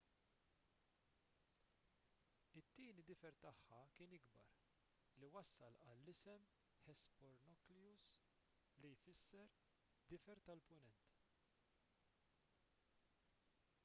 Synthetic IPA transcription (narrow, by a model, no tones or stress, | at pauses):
ɪt̪ːiːnid̪ɪfɛɾt̪ɐħːɐkɪːnɪɡbɐ̰ɾ | liwɐsːɐlɐlːɪsɛm | ħɛspɔɾnɔkljus | lijfɪsːɛɾ | d̪ɪfɛɾt̪ɐlpʊnɛnt̪